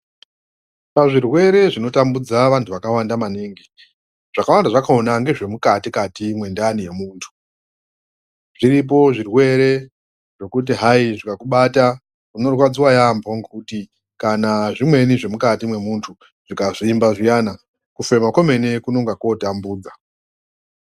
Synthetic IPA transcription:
paʐirwe̞ɾe̞ʐino̞tambud͡zaʋantʰuʋakawandamaneːŋɡi | ʐ̥akawandaʐakaonaŋɡe̞ʐe̞mukatikatimwe̞ndanije̞muːntʰu̥ | ʐ̥irip̬o̞ʐirwe̞ɾe̞ | ʐo̞kut̬iɦaiʐikakuɓata | kuno̞rwad͡ziwajamboŋɡekuti | kanaʐimwe̞niʐe̞mukatimwe̞muntʰu | ʐ̥ikaʐiːmbaʐijana | kufe̞mako̞me̞ne̞kuno̞ŋɡako̞tambuːd͡za

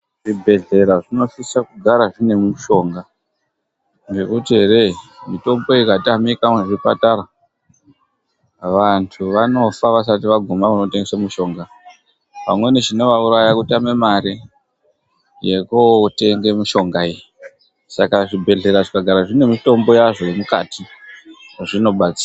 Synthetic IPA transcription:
ʐ̥ibʱe̞ɮe̞ɾaʐino̞sisakuɡʱaɾaʐine̞muʃo̞ːŋɡa | ŋɡe̞kutiɦe̞ɾe̞mito̞mboiikatamikameʐipa̰taɾa | ʋantʰuʋano̞faʋas̬atiʋaɡʱumakunoteŋɡe̞samuʃo̞ŋɡa | pa̰mwe̞neʐino̞ʋauɾajakutame̞maɾi | jekote̞ŋɡe̞muʃo̞ŋɡaii | sakaʐibʱe̞ɮe̞ɾaʐikaɡʱaɾaʐine̞mito̞mbo̞jaʐo̞je̞muka̰ti | ʐino̞ɓat͡si̥ːa

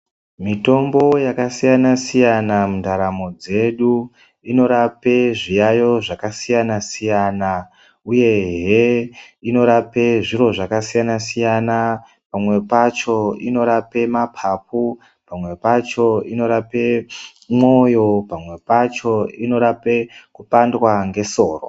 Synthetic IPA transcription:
mito̞mbo̞jakasijanasijanamundaɾamo̞d͡ze̞ɗu | ino̞ɾape̞ʐijajo̞ʐakasijanasijaːna | uje̞ɦɦeino̞ɾape̞ʐiɾo̞ʐakasijanasijana | pamwe̞pat͡ʃo̞ino̞ɾape̞mapʰapu | pamwe̞pat͡ʃo̞ino̞ɾape | mojo̞pamwe̞pat͡ʃo̞ino̞ɾape̞kupandwaŋɡe̞so̞ːro̰

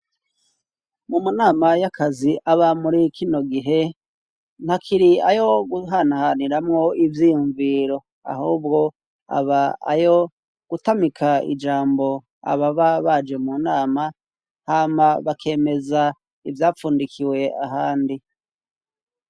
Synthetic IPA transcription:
mumunaːmajakʰaziʔaβamuɾikʰino̞ɡiɦe̞ | n̥hakʰiɾia̰jo̞ɡuɦanahaniɾamŋo̞ivjijuɱviɾo̞ | a̰huːb̚ɡo̞ | a̰βa̰ːjo̞ | ɡ̥utamikʰaḭd͡ʒaːmbo̞ | a̰βaβaβad͡ʒe̞munaːma | haːmaβakʰe̞ːme̞za | ivjaːfuːndikʰiwe̞aɦaːndi

